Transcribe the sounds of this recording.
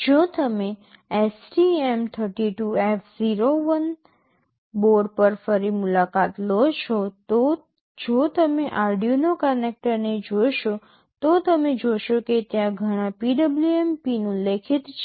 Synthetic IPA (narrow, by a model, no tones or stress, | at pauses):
d͡ʒot̪əme | esʈiemt̪ʰəɾʈiʈuefʰziɾoʋən | boɖpəɾfəɾimulakat̪lot͡ʃʰot̪o | d͡ʒot̪əmeʔaɾɖijunokənek̚ʈəɾned͡ʒojʃo | t̪ot̪əmed͡ʒojʃoket̪jãɡʱəɽ̃ãpiɖəbluempinũlekʰit̪t͡ʃʰ